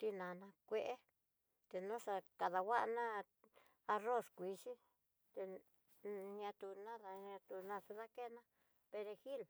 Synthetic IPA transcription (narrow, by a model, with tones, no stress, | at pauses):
t̪i˧nã˨nã˧kʷe˧ʔe˦ | t̪e˧nũ˦ʂa˧ka˨ða˧wa˦ʔa˧nã˦ | a˧ro˦˨skʷi˧ʂi˦ | t̪e˧ | ɲã˧t̪u˧nã˦ða˧ɲã˧t̪u˧nã˧su˧ða˦ke˦˧nã˦ | pe˧ɾe˧xi˦l